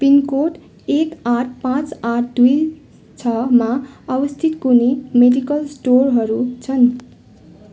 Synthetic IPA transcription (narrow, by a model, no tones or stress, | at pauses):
pinkoʈ | ekaʈʰpãt͡saʈʰd̪uj | t͡sʰʌmaʌbʌst̪ʰit̪kunimeɖikʌlsʈorɦʌɾut͡sʰʌn